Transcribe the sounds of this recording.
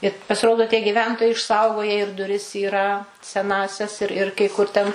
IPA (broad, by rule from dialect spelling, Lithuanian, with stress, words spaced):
ɪ pɐsʲɪˈroːdoː tʲiɛ ɡʲiːˈʋʲɛntoːjɛɪ ɪʃˈsɐʊɡoːjɛ ɪr dʊˈrʲɪs iːˈrɐ sʲɛˈnɑːsʲɛs ɪr ɪr kɐɪ ˈkʊr tʲɛn